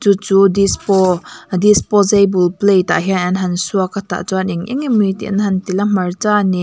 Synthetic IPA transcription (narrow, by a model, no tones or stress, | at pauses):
t͡sut͡sudispɔd̪ispɔzejbulplejt̪a̰ʔɦinanɦɐnsuakat̪a̰ʔt͡suaniŋʔḭŋimit̪ḭʔnɦɐnt̪ilamɐrt͡sani